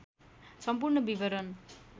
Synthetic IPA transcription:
sʌmp̬urnʌbibʌɾʌn

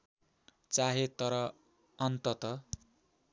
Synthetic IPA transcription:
t͡saɦet̪ʌɾʌ | ʌnt̪ʌt̪ʌ

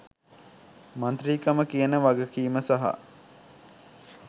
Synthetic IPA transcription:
mɐnt̪riːkəməkijənəʋaɡəkiːməsaɦa̰

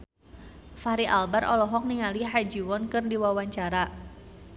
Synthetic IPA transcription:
faɾiʔalbarʔɔ̰lɔɦɔk̚niŋaliɦajd͡ʒiwɔnkɨrdiwawaɲt͡ʃaɾa

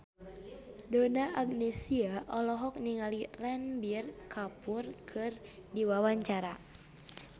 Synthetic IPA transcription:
donaʔaɡ̚nɛsiaʔɔlɔɦɔk̚niŋalirɛnbirkʰapurkʰɨrdiwawaɲt͡ʃaɾa

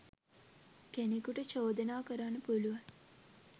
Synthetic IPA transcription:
kenikuʈət͡ʃoːd̪ənaːkəɾanəpuluʋan

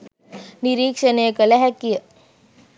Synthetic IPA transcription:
niɾiːkʂənekəlɛɦɛkːijə

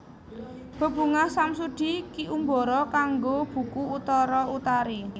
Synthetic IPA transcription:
b̥ə̤b̥ṳŋahsamsuɖ̪̥i̤kiʔumbɔ̤ɾɔkaŋɡob̥ṳkuːt̪ɔɾɔut̪aɾi

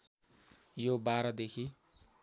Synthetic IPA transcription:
jobaɾʌd̪ekʰi

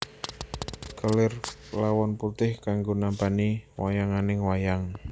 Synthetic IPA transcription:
kalɪrlawɔnput̪ɪhkaŋɡonambaniwajaŋanɪŋwajaŋ

